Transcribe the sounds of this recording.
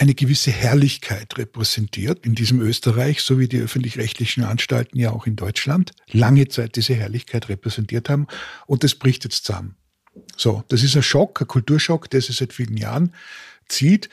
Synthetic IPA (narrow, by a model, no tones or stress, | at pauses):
ʔæɪnəɡəvɪsəhɛɐlɪçkʰaɪtʁepʁ̥ɛz̥ɛntʰiːɐtɪndiːzəmøːstəʁaɪçsoːviːdiːʔœ̰fn̩tlɪçʁɛçtʰlɪçn̩ʔa̰nʃta̰ltn̩jaaʊxɪndɔʏt͡ʃland | laŋət͡saɪt̚d̥iːzəɦɛɐlɪçkʰaɪtʁepʁɛzɛntiːɐthaːbm̩ʊnt̚d̥asb̥ʁɪçtjɛt͡stt͡sa̰m | z̥o̰ːd̥as̬ɪs̬tɐʃɔkəkʰʊltuːɐʃɔkd̥eːɐzɪçz̥aɪtfiːlən̩ja̰ːʁən | t͡siːt